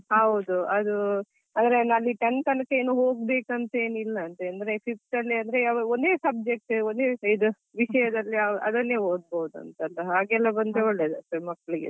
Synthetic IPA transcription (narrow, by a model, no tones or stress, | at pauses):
ɦɐʋd̪uɐd̪u | ɐnd̪ɐɾenalːiʈɐnk̪ɐnɐkeːnuːɦoːɡ̚be̞ːkɐnt̪ɐeːnilːɐːnt̪ɐɐnd̪ɐɾe̞pʰip̚ʈɐlːiɐnd̪ɐɾeɐʋɐond̪e̞ːsɐb̚d͡ʒek̚ʈond̪eːid̪u | ʋiʃɐjɐd̪ɐlːiɐʔɐd̪ɐnːeːɦoːd̪̚bɐud̪uɐ̰nt̪ɐɐlːɐɦaːɡɛlːɐbɐnd̪eoɭːeːd̪ɐt̪ːɐmɐkːɐɭiɡḛ